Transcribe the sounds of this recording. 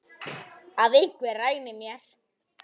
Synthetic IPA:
aðeŋ̥kɛrajnɪmjaɾ̥

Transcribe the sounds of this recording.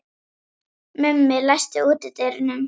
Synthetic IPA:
mʏmːɪlajst̪ɪuːt̪ɪt̪ejɾɪnʏm

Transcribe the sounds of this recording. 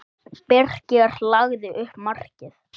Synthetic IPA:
pɛr̥cɪɣaɾ̥laɣðɪʔʏhpmar̥cɪθ

